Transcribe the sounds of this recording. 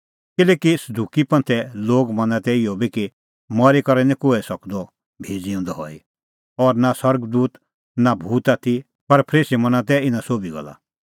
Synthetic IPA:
kɪlɛːkisɐd̪uːkipɐ̃nt̪ʰɛloːɡmɐ̃nãt̪ɛɪjɔbiki | mɔɾikɐɾɛnĩkʊɛsɐkd̪ɔ | bʱeːd͡ziɔ̃nd̪ɔɦɔ̰i | ɔːɾnasɐɾɡd̪uːt̪ | nabʱuːt̪at̪ʰi | pɐɾpʰɾeːsimɐnãt̪̬ɛɪnãsoːbiɡɔ̰la̰

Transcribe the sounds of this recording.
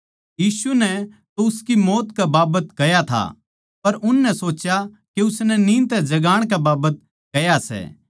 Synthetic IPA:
jiːsunɛ | t̪oʊskimoːt̪kɛbaːbət̪kɐjat̪ʰa̰ | pɐɾʔʊnːɛsoːt͡ʃja | keʊsnɛnĩːnt̪ɛd͡ʒɐɡaːɽ̃kɛbaːbət̪̚ | kɐjasɛ̰ː

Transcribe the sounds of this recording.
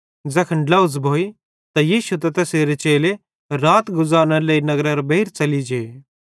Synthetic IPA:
d͡zɛkʰɐ̃ɳɖlaʊzbʱoːi | t̪ajiːʃut̪̬ɐt̪ɛseːɾet͡ʃeːle | ɾaːt̪ɡʊzaːɾñãleːinɐɡɾɐɾɐbɐiːɾt͡ʃɐlid͡ʒeː

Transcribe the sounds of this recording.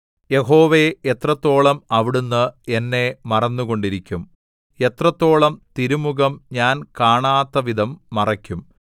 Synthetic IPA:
je̞ɦo̞ːʋeet̪rɐt̪ːo̞ːɭɐmɐʋiɽunːɨe̞nːe̞mɐrɐnːuɣo̞ɳɖiɾikʲːum | e̞t̪rɐt̪ːo̞ːɭɐmt̪iɾumuɣɐmɲaːnkaːɳaːt̪ːɐʋid̪ʱɐmːɐrɐkʲːum

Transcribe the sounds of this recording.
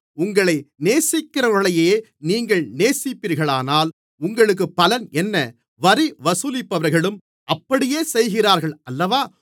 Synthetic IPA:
ʊŋɡɐɭɐɪneːsɪkːɪrɐɯɭɐjeː | niːŋɡɐɭneːsɪpːiːɾɣɐɭaːnaːl | ʊŋɡɐɭɯk̬ːɯpːɐlɐnɛnːɐ | ʋɐɾiʋɐsʊlɪpːɐʋɐɾɣɐɭɯm | ʔɐpːɐɽɪjeːsɛjɣɪraːɾɣɐɭɐlːɐʋaː

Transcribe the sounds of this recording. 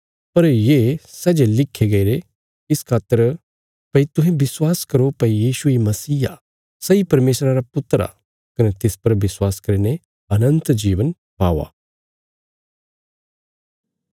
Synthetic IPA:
pɐɾjeːsɛːd͡ʒelɪkʰːeɡɐiɾe | ɪskʰaːt̪ːəɾ | pɐit̪ʊɦẽbɪswaːskɐɾopɐijiːʃuimɐsiːa | sɐipɐɾmeːsɾaɾapʊt̪ɾa̰ | kɐnet̪ɪspɐɾʋɪswaːskɐɾine | ɐnə̃nt̪d͡ʒiːʋən | paːʋa̰ː

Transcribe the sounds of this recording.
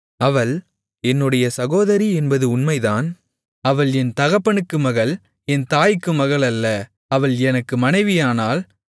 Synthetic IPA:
ɐʋɐɭ | ɛnːɯɽɐjɐsɐɣoːðɐɾiɛnbɐðɯʊnmɐɪðaːn | ɐʋɐɭɛnt̪ɐɣɐpːɐɳɯkːɯmɐɣɐɭ | ɛnt̪aːjɪkːɯmɐɣɐɭɐlːɐ | ɐʋɐɭɛnɐkːɯmɐnɐɪʋɪjaːnaːl

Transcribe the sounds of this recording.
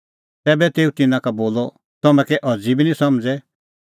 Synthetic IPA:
t̪ɛːbɛt̪eːut̪ɪnãkaboːlɔ | t̪ɐmɛ̃kɛʔɐd͡zibinĩsɐmd͡zɛ

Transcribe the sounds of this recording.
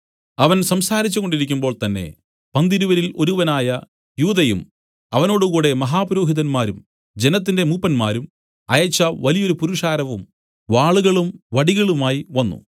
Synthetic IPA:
ɐʋɐnsɐmsaːɾit͡ɕːuko̞ɳɖiɾikʲːumbo̞ːɭt̪ɐnːe̞̰ | pɐnd̪iɾuʋɐɾilo̞ɾuʋɐnaːjɐ | juːðɐjṵm | ɐʋɐno̞ːɽukuːɽe̞mɐɦaːpɐɾo̞ːɦiðɐnmaːɾum | d͡ʑe̞nɐt̪̬ːinde̞muːpːɐnmaːɾum | ɐjɐt͡ɕːɐʋɐlijo̞ɾupuɾuʂaːɾɐʋum | ʋaːɭuɣɐɭumʋɐɽiɣɐɭumaːjiʋɐnːṵ

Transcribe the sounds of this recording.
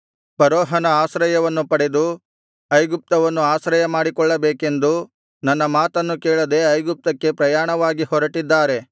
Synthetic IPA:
pɐɾoːɦɐnɐaːsɾɐjɐʋɐnːupɐɽe̞d̪u | ɐjɡup̚t̪ɐʋɐnːuaːsɾɐjɐmaːɽikɔɭːɐbeːke̞nd̪u | nɐnːɐmaːt̪ɐnːukeːɭɐd̪e̞ɐjɡup̚t̪ɐkːe̞pɾɐjaːɳɐʋaːɡihɔɾɐʈid̪ːaːɾe̞

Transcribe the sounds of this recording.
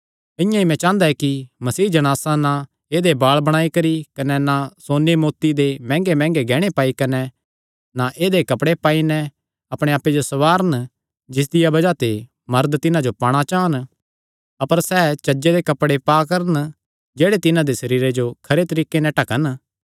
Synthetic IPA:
ɪ̃jãimɛ̃t͡ʃãːnd̪aɛkimɐsiːd͡ʒɐɽ̃aːsana | eːd̪ebaːɭbɐɽ̃aːikɐɾikɐnɛnasoːnemoːt̪id̪emɛ̃ːŋɡemɛ̃ːŋɡeɡɛːɽ̃epaːikɐnɛ | naʔeːd̪ekɐpɽepaːinɛ | ɐpɽ̃ẽaːpːed͡ʒosɐʋaːɾən | d͡ʒɪs̬d̪ɪjabɐd͡ʒat̪e | mɐɾd̪t̪ɪnãd͡ʒopaːɽ̃at͡ʃaːən | ɐpəɾsɛːt͡ʃɐd͡ʒed̪ekɐpɽepaːkɐɾən | d͡ʒeːɽet̪ɪnãd̪esɐɾiːɾed͡ʒokʰɐɾet̪ɐɾiːkːenɛ̃ʈɐkən

